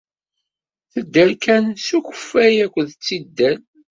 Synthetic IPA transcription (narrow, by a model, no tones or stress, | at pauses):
θəd̪ːəlkænsuçə̥fːæjækʷːəðt͡sːid̪ːæl